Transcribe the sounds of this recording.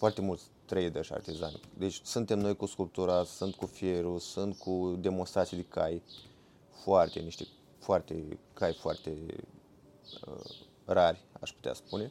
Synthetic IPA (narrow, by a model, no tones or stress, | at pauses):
foart̪e̞mult̪sʲt̪ɾejd̪əʃʲa̰rt̪iza̰nd̪e̞t͡ʃʲsunt̪e̞mno̞jkuskulp̚t̪uɾasunt̪̚kufie̞ɾusɨnt̪̚kʰud̪e̞monst̪ɾat̪sijd̪ekaj | foart̪e̞niʃt̪e | foart̪e̞̰kajfoa̰rt̪e̞ | ə̰ | rarʲa̰ʃput̪ea̰spune̞